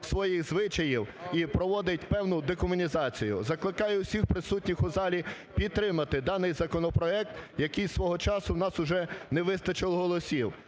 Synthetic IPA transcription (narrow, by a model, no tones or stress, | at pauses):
sʋɔjixzʋɪt͡ʃɐjiwipɾɔʋɔd̪ɪtʲpɛwnʊd̪ɛkɔmʊnʲizɑt͡sʲijʊ̰zɐklˠɪkɑjɛwsʲixpɾɪsutʲnʲixʊzɑlʲi | pʲid̪̚t̪ːɾɪmɐt̪ɪd̪ɑnɪjzɐkɔnɔpɾɔɛk̚t̪jɐkɪjsʋɔɦɔt͡ʃɑsʊwnɑsʊʒɛnɛʋɪst̪ɐt͡ʃɪlˠɦɔlˠɔsʲiw